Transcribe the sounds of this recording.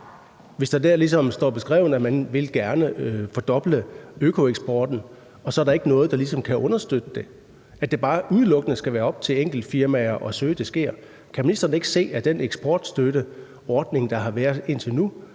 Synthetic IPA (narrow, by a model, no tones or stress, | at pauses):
ʋe̝sd̥ɑd̥æɐ̰lisɒ̽msd̥ɒ̰ːb̥e̝sɡ̥ʁɛ̰ːʊn̩əæmænʋe̝lɡ̥æɐnəfɒd̥ɒ̽b̥ləøkʰo̝eɡ̥sb̥ɒːd̥n̩ | ɒ̽sɒ̽æɐɾ̥ɑ̈e̝ɡ̥ənɔ̽ːð̞̩ˠd̥ɑ̈lisɒ̽mkʰæʔɔ̽nɐsd̥ød̥əd̥e̝ | ʔæd̥e̝b̥ɑ̈ːʔuðˠlɔ̽ɡ̥ənəsɡ̥æʋæːɐɒ̽b̥̚t͡sʰe̝leŋ̰ɡ̥l̩d̥fiɐmæɐʔɒ̽søːd̥esɡ̥e̝ɐ̰ | kʰæme̝nisd̥ɐn̩əe̝ɡ̥ə̥se̝̰ːæd̥eneɡ̥sb̥ɒːd̥sd̥øɾə | ɒːd̥ne̝ŋd̥ɑ̈ɦɑ̈ʋæːɐe̝n̰t͡sʰe̝nu